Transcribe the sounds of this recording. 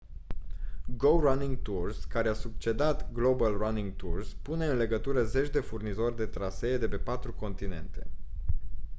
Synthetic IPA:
ɡowraniŋɡ̚t̪urskaɾeasub̚t͡ʃe̞d̪at̪ɡlo̞balraniŋɡt̪urspune̞ɨnle̞ɡət̪uɾəze̞t͡ʃʲd̪e̞furnizo̞rʲd̪e̞t̪ɾase̞ːd̪e̞pe̞pat̪ɾuko̞nt̪ine̞̰nt̪e̞̰

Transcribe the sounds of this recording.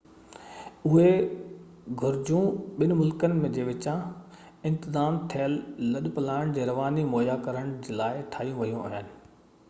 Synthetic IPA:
ʊɦe | ɡʱʊɾd͡ʑũɓɪn̆mʊlkənɪ̆mẽd͡ʑeːʋɪt͡ɕã | ɪ̃nt̪ɪzaːmt̪ʰlːɐɗpɐlaːɪɽ̃d͡ʑeːɾɐʋaːnimoːjakɐɾəɽ̃d͡ʑeːlaːɪʈʰaːijũʋɐjũɐ̰ɦijənɪ̆

